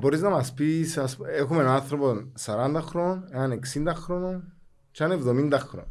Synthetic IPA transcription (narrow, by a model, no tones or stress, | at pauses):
bo̞ɾiznɐmɐspisɐsexumenanθɾo̞ponsaɾɐnd̪ɐxɾoneaneksind̪ɐxɾonon | t͡ʃanevðo̞mind̪ɐxɾo̰n